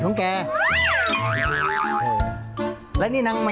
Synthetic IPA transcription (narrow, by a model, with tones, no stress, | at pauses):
u˨˦ŋkɛː˧ | lɛ˧˥niː˦˥˨na˧˦ŋma˧